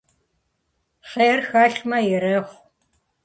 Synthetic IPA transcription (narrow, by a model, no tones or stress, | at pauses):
χeːrxaːɬmɐjɛɾɐːχʷ